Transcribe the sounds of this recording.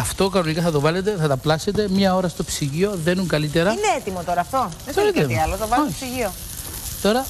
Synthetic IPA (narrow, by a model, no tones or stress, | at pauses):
ɐft̪o̞kɐno̞nikɐθɐt̪o̞vɐle̞t̪̬e̞θɐt̪ɐplɐse̞t̪e̞mɲɐo̞ɾɐst̪o̞psiʝio̞ðenuŋkɐlit̪e̞ɾɐineet̪imot̪o̞ɾɐːft̪o̞ðeoɾit̪mɐlot̪ovɐloosiʝio | t̪o̞ɾɐ